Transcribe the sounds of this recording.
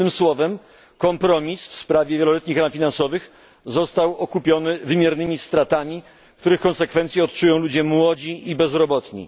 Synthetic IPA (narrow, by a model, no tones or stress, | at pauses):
ɘmswɔvɛm | kɔmpɾɔmʲisfspɾavʲjɛvʲjɛlɔlɛt̪ɲixɾamfʲinansɔvɘx | zɔst̪awɔkupʲjɔnɘvɘmʲjɛɾnɘmʲist̪ɾat̪amʲi | k̚t̪uɾɘxkɔ̃nsɛkfɛnt̪sʲjɛɔt̪̚t͡ʂujɔ̃w̃lud͡ʑɛmwɔd͡ʑiʔibɛzɾɔbɔt̪ɲḭ